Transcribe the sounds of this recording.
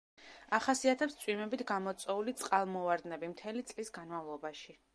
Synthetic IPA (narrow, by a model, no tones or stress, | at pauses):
aχasiat̪ʰɛpst̪sʼwimɛbit̪ʰɡamɔt̪sʼɛulit̪sʼqʼalˠmɔvaɾd̪nɛbimt̪ʰɛlit̪sʼlisɡanmavlˠɔbaʃi